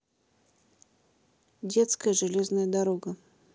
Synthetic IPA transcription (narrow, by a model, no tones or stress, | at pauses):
dʲet̪skəjəʐɨlʲeznəjəd̪aɾoɡə